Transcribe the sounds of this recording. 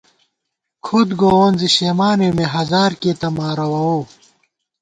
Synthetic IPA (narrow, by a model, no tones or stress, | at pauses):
kʰod̪ɡoːoːnziɕeːmaːnemeɦɐzaːɾkeːt̪ɐmaːɾɐwɐwoː